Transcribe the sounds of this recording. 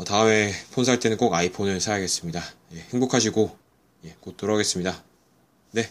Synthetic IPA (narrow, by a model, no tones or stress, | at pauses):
ʌtaɯme̞pʰonsʰaɭt͈e̞nɯnk͈oɡaipʰonɯɭsʰajaɡe̞s͈ɯmɲidaje̞heŋbokʰaɕʰiɡo | je̞k͈ot͈oɾʌɡe̞s͈ɯmɲida | ne̞